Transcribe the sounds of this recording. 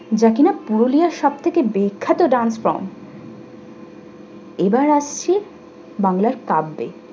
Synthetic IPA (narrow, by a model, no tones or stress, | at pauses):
d͡ʑakinapuɾolijaɾʃɔb̚t̪ʰekebejkʰːat̪oɖanspɾɔ̰m | ebaɾaʃt͡ɕʰi | baŋlaɾkabːḛ